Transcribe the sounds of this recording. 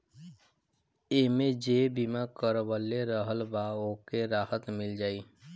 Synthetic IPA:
emẽd͡ʒeːbimakəɾbəlːeɾəɦəlbaokeɾaːhət̪mɪld͡ʒaːiː

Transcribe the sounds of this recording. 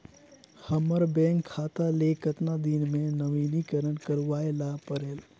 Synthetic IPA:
həməɾbɛ̃ːŋkʰːaːt̪alekət̪nad̪inmẽnəʋinikəɾəɽkəɾuʋaːelapəɾeːl

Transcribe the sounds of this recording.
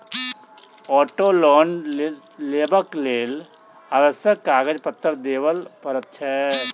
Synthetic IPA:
ɔːʈoːlɔːn | leːbəkleːl | aːʋəsjəkːaːɡəd͡ʒpət̪ːəɾd̪eːʋəlpəɾət̪t͡ʃʰɛ

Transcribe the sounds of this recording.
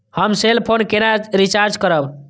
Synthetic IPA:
həmselpʰonkenad͡ʒɾit͡ʃaɾd͡ʒkəɾəb

